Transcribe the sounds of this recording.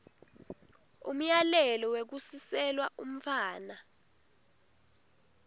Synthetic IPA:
ṵm̩jalɛlɔwek̬usisɛlwaʔum̩faːna

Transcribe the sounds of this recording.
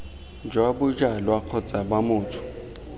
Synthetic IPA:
nd͡ʒʱwaɓʊd͡ʒʼalwaq͡χʰɔt͡sʼaɓamʊːtʰʊ̥

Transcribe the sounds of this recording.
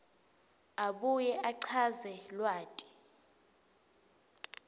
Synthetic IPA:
aɓujɛʔaǀʰazɛlwaːtʼi̥

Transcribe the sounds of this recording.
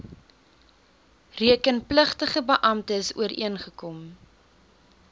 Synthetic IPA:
riəkənpləχtəχəbəʔɐmtəəsṵəɾʔḭənχəkɔm

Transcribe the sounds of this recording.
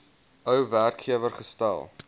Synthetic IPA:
əwværkχiəvərχəstæ̰lˠ

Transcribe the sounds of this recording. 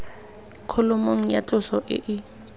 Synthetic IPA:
kʰʊlʊmoŋ̩jat͡ɬʼʊsɔʔɪ̰ʔɪ

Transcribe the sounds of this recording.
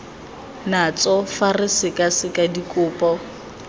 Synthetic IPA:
nat͡sʼɔfarɪsɪkʼasɪkʼadikʼʊːpʼɔ

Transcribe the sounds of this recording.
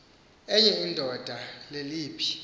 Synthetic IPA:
ɛjɛindʱɔd̥ʱaleliːpʰi̥

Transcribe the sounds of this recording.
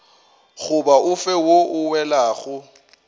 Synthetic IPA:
ɣʊbaʊfɛwoʔʊwɛlaːɣʊ

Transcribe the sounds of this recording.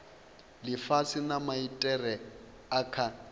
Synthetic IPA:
lɪfasinamaitʼɛrɛ | akʰa

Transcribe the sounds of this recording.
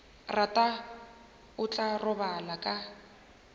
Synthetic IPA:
ratʼa | ʊt͡ɬʼarʊbalakʼa

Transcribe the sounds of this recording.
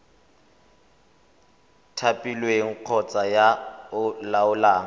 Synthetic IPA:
tʰapʼilweŋ̩q͡χʰɔt͡sʼajaʊlaʊlaːŋ̩

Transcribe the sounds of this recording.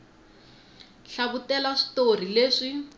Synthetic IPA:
ɬaβutɛlaʂi̥tor̤ileːʂi

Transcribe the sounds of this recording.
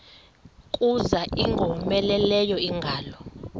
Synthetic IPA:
kʼuzaʔiŋɡʱɔmɛlɛlɛjɔiŋɡʱaːlɔ

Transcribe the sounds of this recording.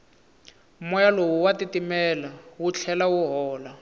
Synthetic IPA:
mɔjalowuwatitimɛlawut͡ɬʰɛlawuɦɔːla

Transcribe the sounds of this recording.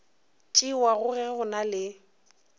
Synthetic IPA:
t͡ʃʼiwaɣʊɣɛɣʊnalɪ

